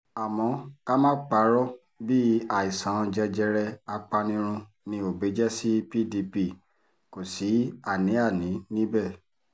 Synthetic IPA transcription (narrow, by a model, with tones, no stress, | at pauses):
a˨mɔ̃˧ka˦mã˦k͡pa˧˦ɾɔ˦ | bi˦a˨i˨sã˨˦˧d͡ʒɛ˧d͡ʒɛ˧ɾɛ˧a˧k͡pa˧nĩ˦ɾ̃ũ˧ | nĩ˧o˨be˨˦d͡ʒɛ˦si˦pi˦di˧pi˧˨ | ko˨si˨˦a˦˨nĩ˨˦a˦˨nĩ˨˦nĩ˦bɛ˦˨